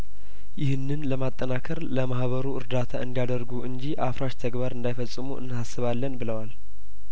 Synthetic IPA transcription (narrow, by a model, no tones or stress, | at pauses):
jɪhɨnːɨnləmat̪ʼːənakʰəɾləmahβəɾuɨɾd̪at̪ʰaɨnd̪ijad̪əɾɡuɨɲd͡ʒiʔafɾaʃt̪ʰəɡbaɾɨnd̪ajfəsʼːɨmuʔɨ̰nːhasːɨβalːənbɨləwal